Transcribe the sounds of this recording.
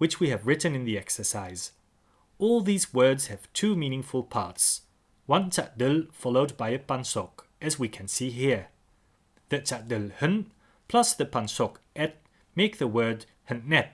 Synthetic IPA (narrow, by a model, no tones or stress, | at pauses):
wɨt͡ʃwiɨvɹɪʔn̩ɨ̃nðiɛksə˞saɪz̥ | ɔlˠðizwɜ˞dz̥hɨv̥tʰʉmĩnɪ̃ŋfəl̩ˠpʰɑ̰ɹts | wʌ̃ntʰaʔ̚d̥ɨlˠfɑlˠoʊd̚baɪɨpʰãnsɔk | ɨzwikʰɨ̃nsiɦiɹ | ðɨtʰadɨlhɨ̃n | pʰl̥ʌsðɨpʰãnsɔkɛt̚ | meɪk̚ðəwɜ˞d̚ | hɨ̃nnɛt̚